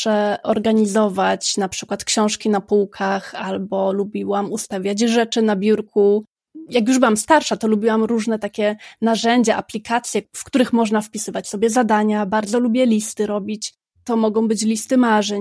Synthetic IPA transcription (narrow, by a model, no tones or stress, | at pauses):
ʂɛʔɔɾɡaɲizɔvat͡ɕnapʂɘ̥kwat̪kɕɔ̃w̃ʂkʲinapuwkʰaxalbɔlubʲiwamust̪avʲjad͡ʑʐɛt͡ʂɘnabʲjuɾku | jak̬juʐbɘwamst̪aɾʂat̪ɔlubʲiwamɾuʐnɛt̪akʲɛnaʐɛɲd͡ʑɛʔaplʲikat̪sʲjɛfkt̪uɾɘxmɔʐnafpʲisɘvat͡ɕsɔbʲjɛzad̪aɲabaɾd̪zɔlubʲjɛlʲist̪ɘɾɔbʲit͡ɕ | t̪ɔmɔɡɔ̃w̃bɘt͡ɕlʲist̪ɘmaʐɛ